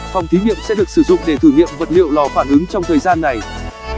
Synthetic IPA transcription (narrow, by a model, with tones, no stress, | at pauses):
fa˨˩wŋ͡mt̪i˨˦ŋḭ˧˨əmsɛ̰˧˥ɗɨ˨˩ək̚sɨ˧˩zʊ̰˧˨ŋ͡mɗe˧˩t̪ʰɨː˧˩ŋḭ˧˨əmvə˨˩t̚lḭ˧˨əwlɔ˨˩faː˧˩nʔɨ˨˦ŋt͡ɕɔ˧wŋ͡mt̪ʰəː˨˩jzaː˧nːa˨˩j